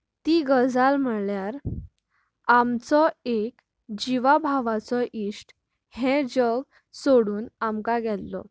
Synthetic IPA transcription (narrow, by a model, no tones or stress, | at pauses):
t̪iːɡəd͡zalm̤əɭljaɾ | amt͡sɔek | d͡ʑiʋabʱaʋat͡sɔʔiʂʈ | hɛ̃d͡ʑəɡ | soɽuːnamkaɡɛlːɔ̰